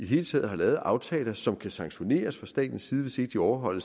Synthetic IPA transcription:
id̥e̝ɦe̝ːlət͡sʰɛ̰ːð̩ˠɦɑ̈lɛːð̞̩ˠʔɑ̈ʊt͡sʰɛ̰ːlɐsɒ̽mkʰæsɑ̈ŋɡɕo̝ne̝̰ːɐsfʁɑ̈sd̥ɛ̰ːd̥n̩siːðˠʋe̝se̝ɡ̥̚d̥iɒʊɐɦɒ̽l̰əs

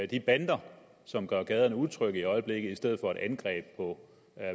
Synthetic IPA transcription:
d̥ib̥ænd̥ɐ | sɒ̽mɡ̥ɶɐɡ̥ɛːð̞ˠɐnəuðˠt͡sʰʁœɡ̥əiɒ̽ɪəb̥le̝ɡ̥ð̩ˠisd̥eð̞̰̩ˠfɒ̽æɾ̥ænɡ̥ʁɛ̰ːb̥̚pʰɒ̽

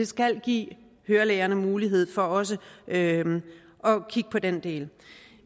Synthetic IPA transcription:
e̝sɡ̥æl̰ɡ̥ḭː | høːɐleːɐnəmuːliɦe̝ð̞̰ˠfɒ̽ɒ̽səø | ʔɒ̽kʰiɡ̥ə̥pʰɒ̽d̥end̥e̝̰ːl

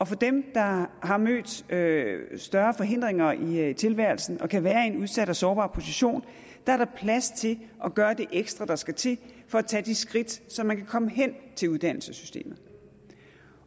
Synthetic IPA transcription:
ɒ̽fɒ̽d̥emd̥ɑ̈ɦɑ̈mø̰ːd̥øsd̥ɶɐfɒ̽ɦe̝n̰d̥ʁeŋɐit͡sʰe̝lʋæɐ̰l̩sn̩ɒ̽kʰæʋæːɐe̝nuð̞ˠsæɾ̥æsɒːb̥ɑ̰̈ːpʰo̝siɕo̝̰ːn | d̥ɑ̈ɐɾ̥ɑ̈pʰlæst͡sʰe̝lʔɒ̽ɡ̥ɶːɐd̥e̝ʔeɡ̥sd̥ʁɐd̥ɑ̈sɡ̥æt͡sʰe̝fɒ̽æt͡sʰɛ̰ːd̥isɡ̥ʁid̥sɒ̽mænkʰækʰɒ̽məɦen̰t͡sʰe̝luð̞ˠd̥æn̰l̩səsy̥sd̥e̝̰ːmð̩ˠ

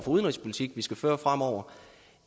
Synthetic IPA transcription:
fɒ̽uð̞ˠənʁispʰo̝lit͡sʰiɡ̥ʋisɡ̥æføːɐfʁam̰ɒʊ̰ɐ

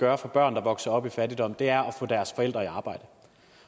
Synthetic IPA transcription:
ɡ̥ɶːɐfɒ̽b̥ɶɐ̰nd̥ɑ̈ʋɒ̽ɡ̥sɐɒ̽b̥ifædid̥ɒ̽m̰d̥e̝æɐɒ̽fɔ̰̽ːd̥æɐsfɒ̽el̰d̥ʁɐiɑ̈ːb̥ɑ̈ɪ̰d̥ə

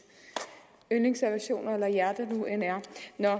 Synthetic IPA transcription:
ønleŋsæɐʋæɕo̝̰ːnɐelɐjæɐd̥ənuenæɐnɒ

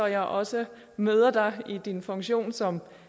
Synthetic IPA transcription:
ɒ̽jɑ̈ɪʔɒ̽sə | møːð̞ˠɐd̥ɑ̈ɪid̥infɔ̽ŋɕo̝̰ːnsɒ̽m

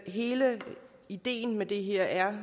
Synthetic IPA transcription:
ɦe̝ːlə | id̥e̝̰ːn̩med̥e̝ɦe̝ɐ̰æɐ

